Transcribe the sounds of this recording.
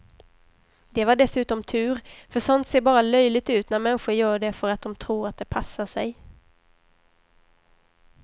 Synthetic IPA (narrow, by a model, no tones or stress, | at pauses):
d̪ɛvaɖɛsʉ̟ːt̪ɔmt̪ʰʉ̟ːɾfœʂɔnt̪seːɾbɑːɾalœjlɪɡ̚t̪ʉ̟ːt̪næɾmɛnɧʊɾjœːɖɛfœɾat̪̚d̪ɔmt̪ʰɾuːɾat̪̚d̪ɛpʰasːaʂɛj